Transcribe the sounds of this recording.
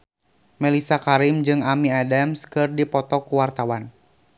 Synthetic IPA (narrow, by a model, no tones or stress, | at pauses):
mɛlisakaɾimd͡ʒɨŋamiadamskɨrdipɔt̪ɔkuwart̪awan